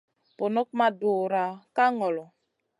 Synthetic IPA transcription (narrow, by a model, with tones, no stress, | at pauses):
po˨nɔ˦k̚ma˦du˨ɾa˨ka˦ŋɔ˨lɔ˨